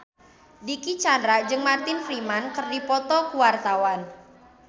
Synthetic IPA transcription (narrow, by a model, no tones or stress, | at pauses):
dikit͡ʃandɾad͡ʒɨŋmart̪ɪnfɾimankərdipɔt̪ɔkuwart̪awan